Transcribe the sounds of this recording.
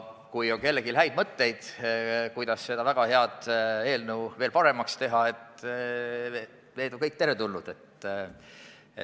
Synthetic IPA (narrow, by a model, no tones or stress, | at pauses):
kujo̞ŋke̞lːeɡ̥ilɦæjd̪̥̚mɤt̪ːe̞jd̪̥kujd̪̥ɑsːe̞d̪ɑvæɡ̥ɑhe̞ɑd̪̥e̞ːlnuwve̞ːlpɑɾe̞mɑkst̪e̞ɦɑe̞t̪ | ne̞jd̪o̞ŋkɤjk̚ːt̪e̞ɾe̞t̪ulnud̪̥e̞t̪